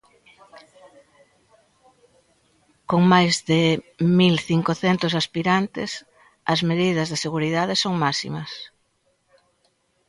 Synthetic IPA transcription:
koŋmajzðɪmilθiŋkoθɛnt̪ʊsaspiɾant̪ɪs | ɐ̰zmeðiðɐzðeseɣuɾiðaðesoŋmasḭmɐs

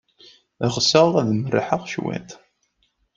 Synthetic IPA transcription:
əʁsəʁðˤæðmərːḭħəʁʃwæ̰nt̪

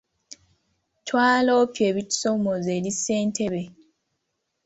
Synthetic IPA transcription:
twaːloːpje̞ːβiti̥somozeːlise̞ːntʰe̞βe̞

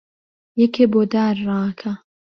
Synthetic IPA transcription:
jɛkʰebod̪aːɾːaːkʰɐ

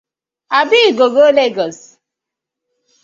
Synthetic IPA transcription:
abɪɡoɡoleɡɔs

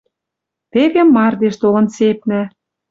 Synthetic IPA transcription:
t̪eɣĕmːɑrd̪eʃt̪olɤ̆nsep̚nɘ̆

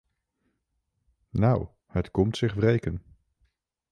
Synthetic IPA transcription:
naw | hətkɔmtsɪχvrejkən

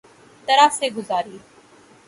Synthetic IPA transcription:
t̪ɐɾaːseːɡʊzaːɾiː

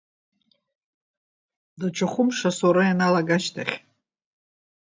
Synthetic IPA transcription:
daʈ͡ʂʷʰaχʷʊmʂasoɾajanalaɡaʃtʰa̰χʲ

